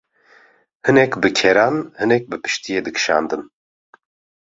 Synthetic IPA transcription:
hɨnɛkbɨkʰɛɾɑːnhɨnɛk̚bɨpɨ̥ʃt̪ijeːd̪ɨkʃɑ̰ːnd̪ɨn

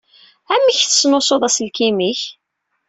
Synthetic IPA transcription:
æmːiçθə̥snosˤoðˤæsəlkimiç

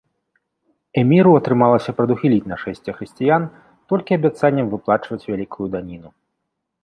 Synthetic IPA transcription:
ɛmʲiɾuɐt̪ɾɨmalˠɐsʲɐpɾɐd̪uxʲilʲit͡sʲnɐʂɛsʲt͡sʲɐxɾɨsʲt͡sʲijan | t̪ɔlʲkʲiɐbʲat̪sanʲːɐmvɨplˠat͡ʂvɐt͡sʲvʲalʲikʰujud̪anʲinu

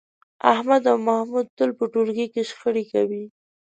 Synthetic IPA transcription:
ahmad̪awmahmud̪̚t̪əlpəʈoɾɡikeʃxəɽikawi

